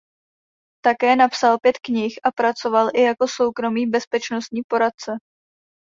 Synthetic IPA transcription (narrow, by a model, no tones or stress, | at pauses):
t̪akɛːnapsalpjɛt̪kɲɪxʔapɾat͡so̞valʔɪjako̞so̞wkɾo̞miːbɛspɛt͡ʃno̞st̪ɲiːpo̞ɾat̪̚t͡sɛ